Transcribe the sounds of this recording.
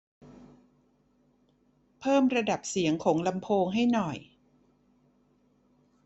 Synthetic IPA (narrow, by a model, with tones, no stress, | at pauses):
pʰɤː˥˩mɾa˧da˨˩p̚si˩˦əŋkʰɔː˩˦ŋla˧mpʰoː˧ŋɦa˥˩jnɔ˨˩j